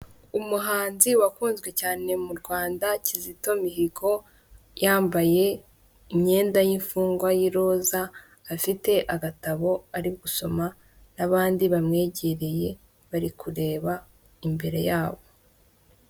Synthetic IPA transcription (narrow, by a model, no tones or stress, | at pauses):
umuɦaːnziwakuːnzɡwe̞caːne̞muɾɡwaːndacizito̞miɦiɡo̞ | jaːmbaje̞ | iɲɲe̞ːndajiɱfuːŋɡwajiɾo̞zaː | fite̞ʔaɡataβo̞aɾiɡuso̞ma | naβaːndiβamŋe̞ːɟe̞ɾe̞je̞ | βaɾikuɾe̞ːβa | imbe̞ɾe̞̰jaːβo̞